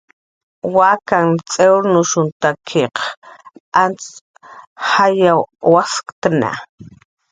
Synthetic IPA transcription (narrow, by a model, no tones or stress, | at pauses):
wakaŋt͡sʼewɾnʊʃʊnt̪akʰeq | ant͡s | hajawwaskt̪ana̰